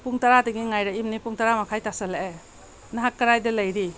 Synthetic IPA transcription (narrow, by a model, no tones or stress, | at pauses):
puŋtaɾadiɡiŋajɾɐimnipuŋtaɾamakʰajtasɐlae | nɐɦak̚kːɐɾajdɐlɐjɾi